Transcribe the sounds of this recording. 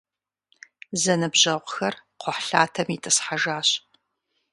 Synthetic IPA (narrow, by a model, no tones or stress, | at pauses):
zɐnɨbʑɐʁʷxɐrqʷʰʊħɬaːtʰɐmitʰɨsħaʒaːɕ